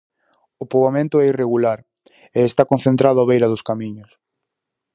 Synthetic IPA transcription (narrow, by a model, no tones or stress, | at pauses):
ʊpoβamẽnt̪ʊɛireɣulaɾ | eest̪akõnθent̪ɾaðʊaβejɾɐðʊskamiɲʊs